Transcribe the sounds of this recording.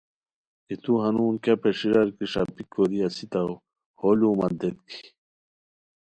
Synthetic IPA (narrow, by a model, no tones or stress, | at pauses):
it̪uɦɐnuːnkɐpeʂiɾɐɾkiʂɐ̰pikoɾiɐsit̪ɐw | holuːmɐd̪et̪kʰi̥